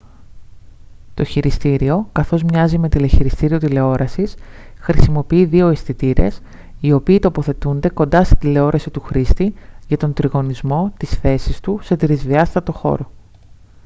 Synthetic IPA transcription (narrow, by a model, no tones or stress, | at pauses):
t̪o̞çiɾist̪iɾio̞kɐθo̞zmɲɐzime̞t̪ileçiɾist̪iɾio̞t̪ile̞o̞ɾʔɐsis | xɾisimo̞piiðio̞esθit̪iɾe̞̰s | io̞piːt̪o̞po̞θe̞t̪und̪e̞ko̞nd̪ɐst̪i̥d̪ile̞o̞ɾɐsit̪uxɾist̪iʝɐt̪o̞nd̪ɾiɣo̞nizmo̞t̪isθe̞sist̪use̞t̪ɾizðiɐst̪ɐt̪o̞xo̞̰ɾo̞